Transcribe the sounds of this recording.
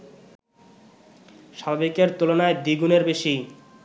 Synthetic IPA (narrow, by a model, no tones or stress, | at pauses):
ʃabbikeɾt̪ulonaed̪iɡuneɾbeʃij